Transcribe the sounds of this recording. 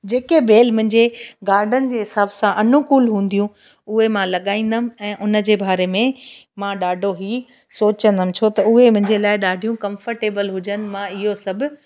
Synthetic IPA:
d͡ʑeːkebeːlmʊ̃ɦɪ̃ɲd͡ʑeɡaːɾɖʱənɪ̆d͡ʑeːɦɪsaːbsãʔɐnʊkulɦũːn̆d̪ijũ | ʊɦemãlɐɠaːĩːn̆d̪əmɪ̆ɛ̃ːʔʊnə̆d͡ʑeːbʱaːɾemẽmãɗaːɖʱoɦiː | soːt͡ɕə̃nd̪əmɪ̃̆t͡ɕʰot̪ɐʊɦemʊ̃ɦɪ̃ɲd͡ʑelaːɪɗaːɖʱijũkɐ̃mfəɾʈeːbəlɦʊd͡ʑənɪ̆mãɪɦosɐbʱʊ̆

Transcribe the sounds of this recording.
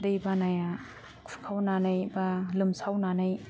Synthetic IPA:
dɯjbanaja | kʰukʰawnanɯjbalɯmsawnanaj

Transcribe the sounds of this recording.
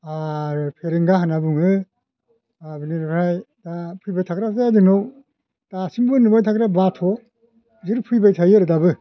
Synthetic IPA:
aɾpʰeɾeŋɡaɦanabɯŋɯ | abiniɾpʰɾajdapʰɯjbajtʰakɾapʰtajadɯnow | tasimbɯnɯbajtʰakɾabatʰɔ | ziɾpʰɯjbajtʰajɯɾɯdabɯ

